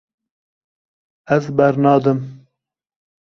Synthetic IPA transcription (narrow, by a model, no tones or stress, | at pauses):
ɛzbɛɾnɑːd̪ɨm